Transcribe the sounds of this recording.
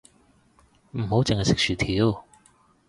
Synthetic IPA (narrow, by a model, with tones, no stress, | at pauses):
m̩˨˩ho˨˥wt͡sɪ˨ŋhɐ˨jsɪ˨k̚sʰyː˨˩t̪ʰiː˨˥w